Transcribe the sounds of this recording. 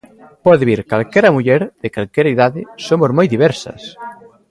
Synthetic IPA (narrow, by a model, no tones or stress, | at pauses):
pɔðeβiɾkalkɛɾɐmuʎɛɾðekalkeɾɐeðaðɪsomozmojðiβɛɾsɐ̰s